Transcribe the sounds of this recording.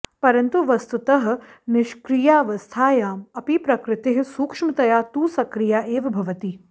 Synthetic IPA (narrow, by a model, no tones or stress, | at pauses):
pɐɾɐnt̪uʋɐst̪ut̪ɐɦɐ̆nɪʃkɾijaːʋɐst̪ʰaːjaːmɐpipɾɐkɾɪt̪ɪɦ̆suːkʂmɐt̪ɐjaːt̪uːsɐkɾijaːʔeːʋɐbʱɐʋɐt̪i